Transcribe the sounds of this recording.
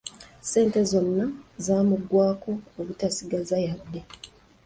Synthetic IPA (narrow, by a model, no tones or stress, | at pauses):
se̞ːnte̞zo̞nːazaːmuɡwaːko̞ːβutasiɡazajad̪ːe̞